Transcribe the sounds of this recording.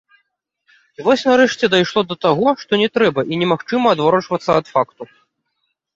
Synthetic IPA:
ivɔsʲnɐɾɛʂt͡sʲɛd̪ajʂlˠɔd̪ɐt̪aɣɔʂt̪ɔnʲɛt̪ɾɛbɐʔinʲɛmaxt͡ʂɨmɐːd̪vaɾɔt͡ʂvɐt̪sːɐɐt̪fakt̪u

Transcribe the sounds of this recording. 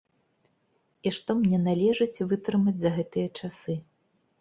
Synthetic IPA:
iʂt̪ɔmnʲɛnalʲɛʐɨt͡sʲvɨt̪ɾɨmɐd͡zʲzɐɣɛt̪ɨjɐt͡ʂasɨ

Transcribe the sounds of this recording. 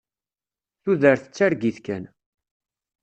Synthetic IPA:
θuðəɾθət͡sːaɾɡiθkæn

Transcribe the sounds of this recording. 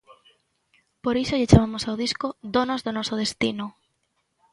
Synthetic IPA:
poɾisoʎet͡ʃaβamosawð̞iskod̪onozðonosoð̞est̪ino

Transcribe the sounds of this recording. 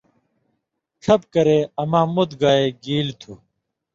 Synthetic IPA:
ʈ͡ʂʰɐp̚kɐɾeːɐmãːmut̪ɡaːeːɡiːlt̪ʰuː

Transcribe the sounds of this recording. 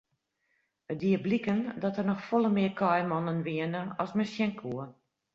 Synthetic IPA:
ət̚diəblikəndɔtərnɔxfɔlˠəmɪərkʰɔjmɔnənʋiənəɔsmɛsjɛŋkʰuə

